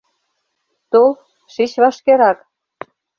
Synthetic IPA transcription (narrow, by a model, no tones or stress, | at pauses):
t̪olˠ | ʃit͡ɕβɑʃkeɾɑk